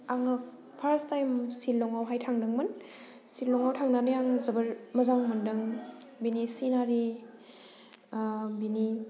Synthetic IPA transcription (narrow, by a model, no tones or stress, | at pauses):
aŋɯ | pʰaɾstajmsilːɔŋawɦajtʰaŋdɐŋmɐn | silːɔŋawtʰaŋnanɯjaŋzɐbɐɾmɐzaŋmɐndɐŋ | binisinaɾi | bini